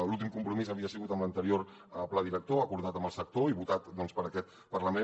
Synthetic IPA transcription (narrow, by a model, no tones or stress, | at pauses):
lulˠt̪̬imkumpɾumizəβiəsiɣut̪əmlənt̪əɾioɾ | əplaðiɾək̚t̪oəkuɾð̞at̪əmbəlˠsək̚t̪oiβut̪at̪d̪ɔnspəɾəkɛt̪ | pəɾləme